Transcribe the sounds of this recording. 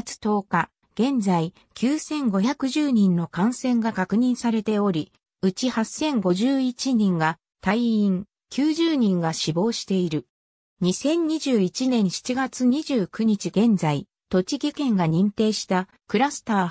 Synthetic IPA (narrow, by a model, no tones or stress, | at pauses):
t͡sɨ̥t̪o̞ːka | ɡ̥ẽ̞nd͡zai | kʲʰɨːsẽ̞ŋɡo̞çakɯ̟ʑɨːɲ̟ĩnːo̞kãɰ̃sẽ̞ŋɡakakɯ̟ɲ̟ĩɰ̃saɾe̞t̪e̞o̞ɾʲi | ɯ̟t͡ɕihasːẽ̞ŋɡo̞ʑɨːit͡ɕiɲĩŋɡa | t̪aiĩŋ | kʲɨːʑɨːɲ̟ĩŋɡaɕibo̞ːɕi̥t̪e̞iɾɯ̟ | ɲ̟isẽ̞ɲɲiʑɨːit͡ɕinẽ̞ɰ̃ɕi̥t͡ɕiɡat͡sɨɲ̟iʑɨːkɯ̟ɲ̟it͡ɕiɡẽ̞nd͡zai | t̪o̞t͡ɕikʲikẽ̞ŋɡaɲ̟ĩnt̪e̞ːɕi̥t̪a | kɯ̟ɾasɨ̥t̪aː